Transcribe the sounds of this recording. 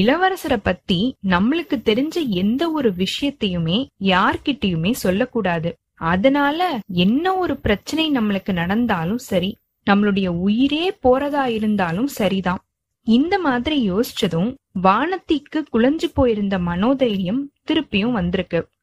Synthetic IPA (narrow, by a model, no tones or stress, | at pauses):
ɪlɐʋɐɾɐsɐɾɐpːɐt̪ːinɐmːɐɭɯkːɯt̪ːɛɾɪɲd͡ʒɐɛnd̪ɐɔɾɯʋɪʂɐjɐt̪ːɐjɯmeːjaːɾkɪʈːɐjɯmeːsɔlːɐkːuːɽaːðɯ | ɐðɐnaːlɐɛnːɐɔɾɯpɪɾɐt͡ʃːɐnɐɪnɐmːɐɭɯkːɯnɐɽɐnd̪aːlɯ̃msɐɾi | nɐmːɐɭɯɽɐjɐʊjɪɾeːpoːɾɐðaːjɪɾɯnd̪aːlɯmsɐɾiðãː | ɪnd̪ɐmaːðɪɾijoːsɪ̥t͡ʃːɐðɯ̃m | ʋaːnɐt̪ːikːɯkʊɭɐɲd͡ʒɯpːoːjɪɾɯnd̪ɐmɐnoːðɐjɾɪjɐmt̪ɪɾɯpːɪjɯ̃mʋɐnd̪ɪɾɯkːɯ